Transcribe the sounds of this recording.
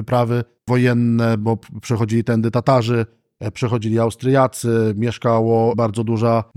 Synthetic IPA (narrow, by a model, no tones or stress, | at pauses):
ɘpɾavɘ | vɔjɛnːɛbɔpʂɛxɔd͡ʑilʲit̪ɛnd̪ɘt̪at̪aʐɘ | pʂɛxɔd͡ʑilʲiawst̪ɾɘjat̪sɘmʲjɛʂkawɔbaɾd̪zɔd̪uʐa